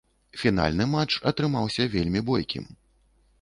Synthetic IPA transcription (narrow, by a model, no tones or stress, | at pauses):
fʲin̪a̰lʲnɨmat͡ʂɐt̪ɾɨmawsʲɐvʲelʲmʲibɔjkʲḭm